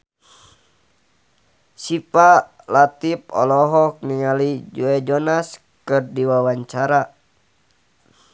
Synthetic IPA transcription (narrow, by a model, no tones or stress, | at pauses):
sipa | lat̪ip̚ɔ̰lɔɦɔk̚niŋalid͡ʒuɛd͡ʒɔnas | kɨrdiwawaɲt͡ʃaɾa